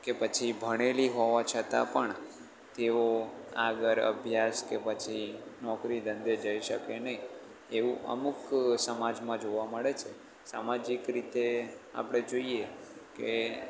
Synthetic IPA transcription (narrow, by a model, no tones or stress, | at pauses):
kepət͡ʃʰibʱəɽ̃eliɦoʋat͡ʃʰət̪a̰pəɳ | t̪eoa̰ɡəɾə̰bʱjaskepət͡ʃʰinɔkɾid̪ə̃nd̪ed͡ʒəiʃə̰kenəi | eʋũə̰muksəmad͡ʒmãd͡ʒoʋaməɭet͡ʃʰe | sa̰mad͡ʒikɾit̪ea̰pɽ̃ed͡ʒoieke